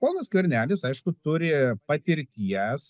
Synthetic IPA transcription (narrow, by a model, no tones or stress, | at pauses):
poːnoskʲʊɾʲnʲæːlʲɪsɐɪʃkʊt̪ʊɾʲɪpɐt̪ʲɪɾʲt̪ʲiɛs